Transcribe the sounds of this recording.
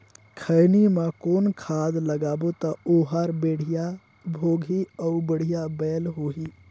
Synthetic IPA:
kʰəɪnimãkoːnkʰaːd̪ləɡaːbot̪əoːɦaɾbeːɽ̤ija | bʱoːɡʱiɔʊbəɽ̤ijabɛːlɦoɦi

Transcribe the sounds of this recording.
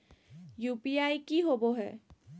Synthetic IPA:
jupiajkiɦobɔɦɛ̰

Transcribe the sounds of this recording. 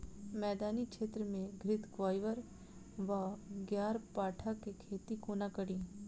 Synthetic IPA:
mɛːd̪aːnikʃeːt̪ɾəmẽɡʱɾɪt̪ɡʋaːjʋəɾ | ʋaɡjaːɾpaːʈʰakekʰeːt̪ikuːnakəɽiː

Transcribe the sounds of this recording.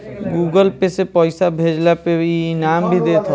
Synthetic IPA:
ɡuːɡəlpesepɔːɪsabʱeːd͡ʒlapeinaːmbʱid̪eːt̪ʰo

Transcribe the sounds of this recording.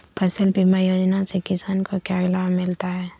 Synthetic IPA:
pʰɐsəlpimajoːd͡ʒnasekɪsaːnkokjaːɡlaːmɪlt̪aɦɛː

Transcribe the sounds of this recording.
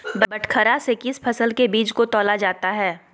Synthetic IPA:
bbɐʈʰkʰəɾasekɪspʰɐsəlkebiːt͡ʃkot̪ɔːlad͡ʒaːt̪aɦɛː

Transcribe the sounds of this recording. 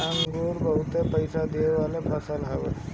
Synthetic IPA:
aŋɡoɾbəɦʊt̪epəɪsad̪eʋalepʰəsəlɦɛʋe

